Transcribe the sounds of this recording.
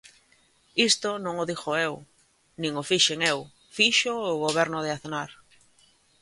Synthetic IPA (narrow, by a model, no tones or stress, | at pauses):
ist̪onõŋʊðixoew | nĩŋofiʃeŋew | fiʃoːɣoβ̞ɛɾnʊðeaθnaɾ